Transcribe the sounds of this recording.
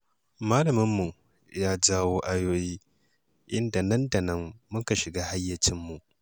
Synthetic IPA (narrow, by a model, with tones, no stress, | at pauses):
maː˦lɐ˨mɪ˦mːu˨ | jaː˦d͡ʒaː˦woː˦ʔa˦joː˦jiː˦ | ʔɪ˦nda˨nɐ˦nda˨nɐ˦mːʊ˦ŋka˨ʃɪ˨ɡaː˦ha˦jːɐ˨t͡ʃɪ˦mːu˨ʔ